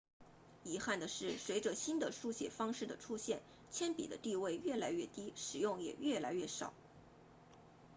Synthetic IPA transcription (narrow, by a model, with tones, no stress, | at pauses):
i˧˥xa˥˩nd̪ə˩ʂɻ̩˥˩swe˧˥ɪʈ͡ʂə˧ɕi˥nd̪ə˨ʂu˥˧ɕjɛ˨˩fɑ˥ŋʂɻ̩˥˩d̪ə˩ʈ͡ʂʰu˥ɕjɛ˥˩n | t͡ɕʰjɛ˥npḭ˨˩d̪ə˦t̪i˥˧we˥˧ɪɥɛ˥˩la˧˥ɪɥɛ˥˩t̪i˥ʂɻ̩˨˩jʊ˥˩ŋjɛ̰˨˩ɥɛ˥˩la˧˥ɪɥɛ˥˩ʂɑ̰˨˩˦ʊ